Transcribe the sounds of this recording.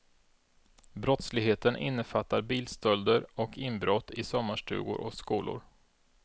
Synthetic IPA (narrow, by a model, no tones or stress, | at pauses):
bɾɔt̪slɪɡɦeːt̪ənʔɪ̰nːəfat̪ːaɾbiːlst̪ɔld̪əɾɔkʰɪnbɾɔt̪ːɪsɔmːaʂʈʉ̟ːɡʊ̰ɾʔɔskuːlʔʊ̰ɾ